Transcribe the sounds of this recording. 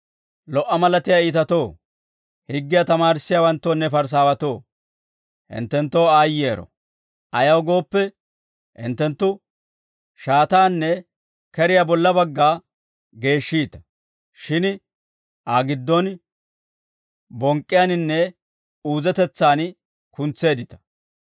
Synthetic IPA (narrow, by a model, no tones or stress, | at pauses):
lɔʔːɐmɐlɐt̪ɪjaːiːt̪ɐt̪o̞ː | hɪɡːɪjat̪ɐmaːɾɪsːɪjawɐnt̪ːoːnːɛfɐɾs̬aːwɐt̪o̞ː | hɪ̰nt̪ːɛnt̪ːo̞ːaːjɪeːɾɔ̰ | ʔɐjɐwɡo̞ːpːɛ | ɪ̰nt̪ːɛnt̪ːʊ | ʃaːt̪aːnːɛ | kɛɾɪjabɔlːɐbɐɡːaː | ɡe̞ːʃːiːt̪ɐ̥ | ʃɪn | ʔaːɡɪd̪ːɔn | bɔŋkʼːɪjanɪnːɛ | uːzɛt̪ɛt͡sːaːn | kʊnt͡sːe̞ːd̪ɪt̪ɐ̥